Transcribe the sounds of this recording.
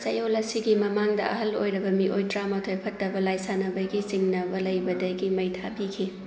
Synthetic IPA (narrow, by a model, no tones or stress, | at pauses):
sɐjolɐsiɡimɐmaŋdɐɐ̰ɦɐlo̰jɾɐbɐmiʔojtɾamɐtʰojpʰɐtːɐbɐlajsanɐbɐjɡisiŋnɐbɐlɐjbɐdɐɡimɐjtʰabikʰi